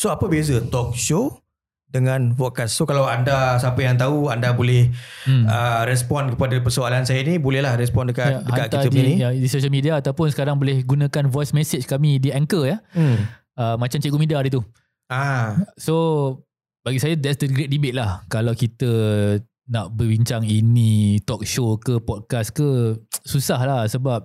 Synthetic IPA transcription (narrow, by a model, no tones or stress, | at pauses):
soapəbezət̪ɔk̚ʃo | dəŋãnfɔkasːokalawandasapəjaŋt̪auandabolɛhəɾɛs̬pɔnkəpadapəsoalansajanĩbolɛhlahɾɛspɔndəkaadəhakanʔk̪iaədiijadisoʃ̬əlmidiaːt̪awpʊnsəkaɾaŋbolɪhɡunə̃kanvɔjsmɛsɪt͡ʃkamidiɛŋkəja | əmat͡ʃamt͡ʃɛʔkumidiadit̪u | ajso | baɡisajadɛtsdəɡɾet̚dibet̪̚lahkalawkit̪ə | naʔbəbiɲt͡ʃaŋinit̪ɔk̚ʃokəpɔt̚kaskəsusahlahsəbap̚